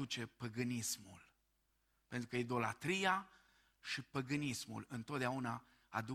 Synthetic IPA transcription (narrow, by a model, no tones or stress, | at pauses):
ut͡ʃe̞pəɡɨnismṵl | pe̞nt̪ɾukəid̪o̞lat̪ɾija | ʃipəɡɨnismṵlɨnt̪ot̪d̪eauna | a̰d̪u